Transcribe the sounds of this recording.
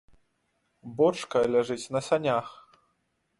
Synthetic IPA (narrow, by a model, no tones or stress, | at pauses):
bɔt͡ʂkɐlʲaʐɨt͡sʲnɐsanʲax